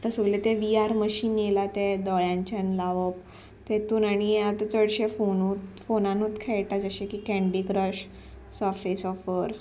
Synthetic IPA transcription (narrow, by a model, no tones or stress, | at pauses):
t̪əsuɡlet̪eʋiaɾməɕiːnelat̪ed̪ɔɭjãɲt͡ɕanlaʋəp | t̪ẽt̪unaɽ̃iat̪at͡səɽɕefonut̪fonãnut̪kʰeɭʈad͡zəɕekikɛ̃ɳɖikɾəɕ | səfesɔfəɾ